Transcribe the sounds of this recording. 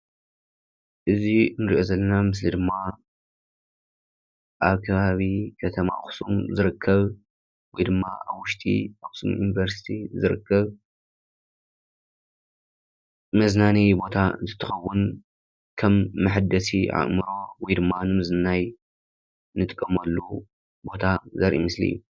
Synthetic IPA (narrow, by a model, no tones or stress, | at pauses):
ʔɨzinɨɾḭʔo̞zɐlːɐnamɨs̬lid̪ɨmːa | ʔaβkʰɐβaβikʰɐt̪ʰɐma̰xsumzɨɾɨkʰːɐβ | wɔjd̪ɨmːaʔa̰βwʊʃt̪ʼḭaxsṵmjunivɐɾsi̥t̪ʰizɨɾɨ̰kʰːɐβ | mɐznanijbo̞t̪ʰaɨnt̪ʰɨ̥t̪ʰːɨxɐwːʊn | kʰɐmːɨħɨd̪ɐsiʕa̰ʔʼmɨɾo̞wɔjd̪ɨmːanɨmɐznɨnaj | nɨt̪ʼkʼːɐmɐlːu | bo̞t̪ʰazɐɾʔḭmɨslḭjːu